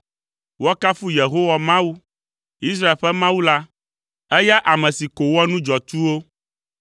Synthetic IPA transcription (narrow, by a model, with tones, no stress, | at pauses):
wɔ˦ka˦fu˦je˨ɦo˦wa˨mã˦wu˦ | i˦s̬ɾa˦e˨lɸɛ˦mã˦wu˦la˦ | ɛ˦ja˦ʔa˨mɛ̃˨si˨ko˨wɔ˦nũ˦d͡ʒɔ˨t̪u˦wo˦